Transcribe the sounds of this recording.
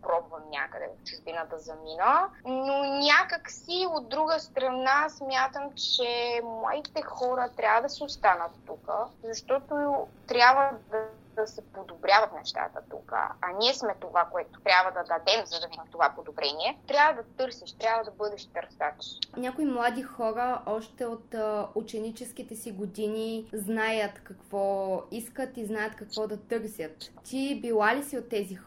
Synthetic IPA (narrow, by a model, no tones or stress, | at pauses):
pɾɔbvɐmnʲa̰kəd̪ɛ̰vft͡ʃuʒb̪inəd̪ɐzɐminənonʲakəksiod̪̚ːɾuɡəst̪ɾɐnasmʲjat̪əmt͡ʃɛmlˠa̰d̪it̪ɛxɔɾət̪ɾʲabvəd̪ɐsɛʊst̪anət̪ːukəzɐʃt̪ɔt̪ot̪ɾʲabvəd̪ | ɐsɛpod̪obɾʲjavɐt̪nɛʃt̪a̰t̪ə̰t̪ṵkə̰ɐniɛsmɛt̪ovakoɛt̪o̥t̪ɾʲabvəd̪ɐd̪ɐd̪ɛmzɐd̪ɐvid̪imt̪ovapod̪obɾɛniɛt̪ɾʲabvəd̪ɐt̪ɤɾsiʃt̪ɾʲabvəd̪ɐbɤd̪ɛʃt̪ɐɾsat̪ʃnʲakoimlˠad̪ixɔɾəʔɔʃt̪ɛot̪ut͡ʃɛnit͡ʃɛsk̟it̪ɛsiɡod̪iniznajət̪kɐkv̥ɔiskət̪iznajət̪kɐkvɔd̪ɐt̪ɤɾsʲət̪ːibilˠalisiot̪ːɛzi